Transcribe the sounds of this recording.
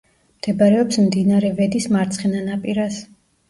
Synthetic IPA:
md̪̥ɛbaɾɛɔpsmd̪inaɾɛvɛd̪ismaɾt̪sʰχɛnanapʼiɾas

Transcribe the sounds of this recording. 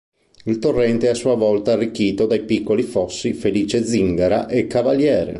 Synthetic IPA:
ilt̪orːɛnt̪eɛasːuːavɔlt̪aːrːikːiːt̪od̪ajpikːolifɔsːifeliːt͡ʃed̪ziŋɡaɾa̰ʔekːavaljɛːɾḛ

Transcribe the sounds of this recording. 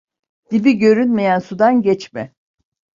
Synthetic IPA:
d̪̥ibiɟø̞ɾynmejænsud̪anɟɛt͡ʃmɛ

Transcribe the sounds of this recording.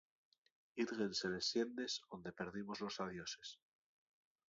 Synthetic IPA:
iðɣense̞le̞sje̞nd̪e̞sond̪epe̞ɾðimo̞zlo̞saðjo̞se̞̥s

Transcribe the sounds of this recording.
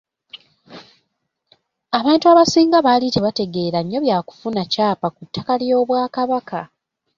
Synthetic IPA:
aβaːntuaːβasiːŋɡaβaliteβate̞ɡe̞ːɾaɲːo̞βjaːku̥funacaːpakutːakaljo̞ːβwaːkaβaka

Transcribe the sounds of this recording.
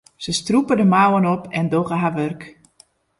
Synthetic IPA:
səstrupədəmawənɔpʰɛndowɣəɦaʋørk

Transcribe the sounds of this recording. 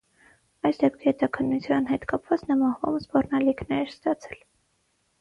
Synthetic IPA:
ɑjsd̪ɛp̚kʰihɛt̪ɑkʰənːut͡sʰjɑnɦɛt̪kɑpvɑt͡snəmɑhvɑ̰məsbɔrnɑlikʰnɛɾɛɾst̪ɑt͡sʰɛl

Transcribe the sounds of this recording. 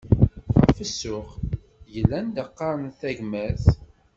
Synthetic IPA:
ʁə̰fəsːʊʁ | jəlːænd̪əqːɑɾˤənθæʝmæθ

